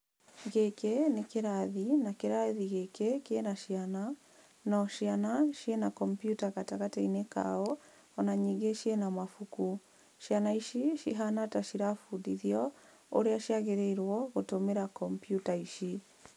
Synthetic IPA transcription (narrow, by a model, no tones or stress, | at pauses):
ɣekenekeɾaðinakeɾaðiɣekekenaʃiana | nɔʃianaʃjenakɔmpjutakataɣatɛineka̰ɔ | ɔnaɲiŋɡeʃienamafuku | ʃianaiʃiʃiɦanataʃiɾafudiðiɔ | o̰ɾeaʃiaɣeɾeiɾwɔɣotomeɾakɔmpjutaiʃi